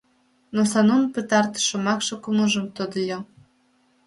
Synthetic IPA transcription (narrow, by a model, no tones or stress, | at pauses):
nosɑnonpət̪ɑrt̪ʃŏmɑkʃɤ̆kuməʒə̆mt̪od̪əlʲo